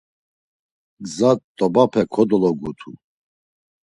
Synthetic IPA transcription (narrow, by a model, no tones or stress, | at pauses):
ɡzat̪t̪ʼːɔbapʰɛkʰɔd̪ɔlɔɡut̪ʰṵ